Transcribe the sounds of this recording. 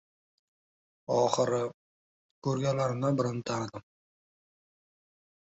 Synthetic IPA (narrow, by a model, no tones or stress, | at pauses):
ɒχɨɾɪ | kʰɵɾɡʲalaɾnɪbɪɾɪnt̪ʰaɾɪd̪ɪm